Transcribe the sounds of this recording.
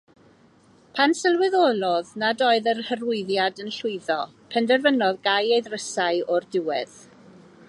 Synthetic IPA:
pʰansəlˠwɪðoːlˠɔðnadoːɨðərhərʊɨðjadənɬʊɨðɔ | pʰɛndɛrvənɔðɡajejðrəsaɨɔrdɪwɛð̥

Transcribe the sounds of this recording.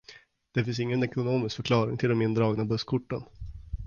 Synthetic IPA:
d̪̥ɛfɪns̬ɪŋːənɛkʊnoːmɪskfœɾkʰlɑːɾɪ̰ŋt̪ʰɪld̪ɛmɪnd̪ɾɑːɡnabɵskʰʊʈːə̰n

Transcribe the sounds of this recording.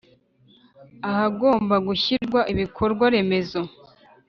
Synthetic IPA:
ahaɡo̞ːmbaɡuçiɾɡwaʔiβikʰo̞ɾɡwaɾe̞me̞zo̞

